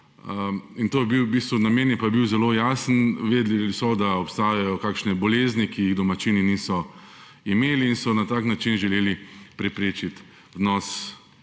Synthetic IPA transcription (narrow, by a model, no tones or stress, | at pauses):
int̪oːjɛbiwbiːst̪ʋunameːnjɛpajɛbiwzɛloːjaːsənʋeːd̪liisɔd̪aɔpst̪aːjajɔkakʃnɛbɔleːznikijiɣd̪ɔmat͡ʃiːninisɔ | imeːliːnsɔnat̪aːknat͡ʃinʒɛleːlipɾɛpɾeːt͡ʃit̪ | wnɔs